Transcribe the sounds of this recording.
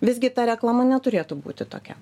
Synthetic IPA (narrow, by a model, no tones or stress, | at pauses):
ʋʲɪzʲɡʲɪt̪ɑɾʲɛklˠɑmɐnʲɛt̪ʊɾʲeːt̪ʊbṵːt̪ʲɪt̪o̰ːkʲɛ